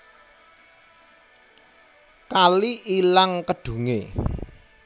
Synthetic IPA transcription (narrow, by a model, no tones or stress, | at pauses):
kaliʔilaŋkəɖ̥ṳŋḛ